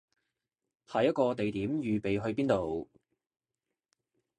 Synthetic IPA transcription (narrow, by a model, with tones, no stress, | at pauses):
pʰaː˨˩jɐ˥t̚kɔː˧t̪e˨jt̪iː˨˥mjyː˨pe˨jɦɵ˧ɥpiː˥nt̪o˨w